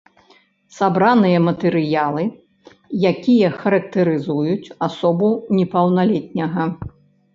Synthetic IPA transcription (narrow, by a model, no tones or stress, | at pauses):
sabɾanɨjɐmɐt̪ɛɾɨjalˠɨ | jakʲijɐxɐɾɐk̚t̪ɐɾɨzujut͡sʲasɔbunʲɛpɐwnalʲɛt̪̚ʲnʲɐɣɐ